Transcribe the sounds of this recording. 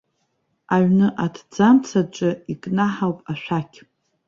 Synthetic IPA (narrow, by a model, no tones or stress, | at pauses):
aɥnɨʔadʰd͡zamt͡sʰat͡ʃʷʼɨikʼnaħawpʼaʃʷᶣakʲʰ